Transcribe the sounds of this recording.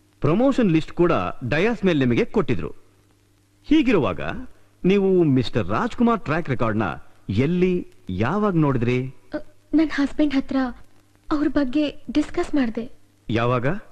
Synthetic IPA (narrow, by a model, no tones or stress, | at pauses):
pɾɐmoːʃɐnlisʈkuːɽɐ̰ɖɐjaːsmeːlenimɐɡe̞koʈːid̪ɾṵ | hiːɡiɾɔʋa̰ːɡɐ̰ | niːʋumisʈɐɾːa̰ːd͡ʒkumaːɾʈɾaːkɾɛkaːɾɖnɐ̰elːijaːʋaːɡno̞ːɽid̪ɾi | nɐnhaːsbeɳɖɦɐt̪ɾɐ | ɐʋɾbɐɡːe̞ɖiskɐsmaːɽd̪e | jaːʋaːɡɐ